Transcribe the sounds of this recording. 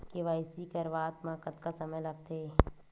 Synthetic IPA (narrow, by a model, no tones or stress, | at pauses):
keʋaːɪsikɐɾʋaːt̪mãːkət̪kasɐməjlɐɡ̚t̪ʰeː